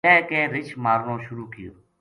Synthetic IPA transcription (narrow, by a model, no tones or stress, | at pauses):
ɛ̃ːkẽːɾɪt͡ʃʰmaːɾnõːʃʊɾuːkɪjo̰ː